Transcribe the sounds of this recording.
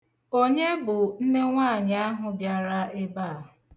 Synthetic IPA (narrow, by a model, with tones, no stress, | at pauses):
o˦ɲe˦bʊ˨n̩˦ne˦ŋʷaː˦˨ɲ˨a˦ɦʊ˨bja˨ɾa˦ʔɪ˦baː˦˨